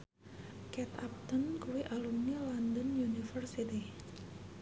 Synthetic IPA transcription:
kɛt̪ap̚t̪ɔnkuwiʔalumnilɔndɔnjunifərsit̪i

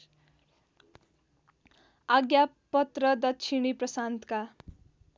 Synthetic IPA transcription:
aɡja | pʌt̪rʌd̪ʌtt͡ʃʰiɽ̃iprʌsant̪ka

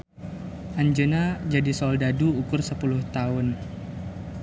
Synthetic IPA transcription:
ʔaɲd͡ʒənad͡ʒadisɔldaduːkʊrsəpulʊht̪aʊn

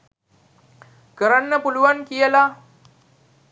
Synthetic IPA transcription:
kəɾanːəpuluʋankijela

